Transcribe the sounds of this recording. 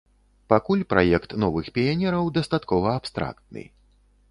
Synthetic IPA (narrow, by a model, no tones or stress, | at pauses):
pakulʲpɾʔa̰jɛkt̪nɔvɨxpʲianʲɛɾɐwd̪ɐst̪at̪kɔvɐːpst̪ɾa̰kt̪̚nɨ̰